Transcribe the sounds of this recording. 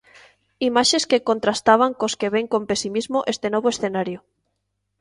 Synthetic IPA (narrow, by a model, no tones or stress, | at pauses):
imaʃeskekont̪ɾast̪aβ̞aŋkoskeβ̞eŋkompesimizmoʔest̪enoβ̞oesθenaɾjo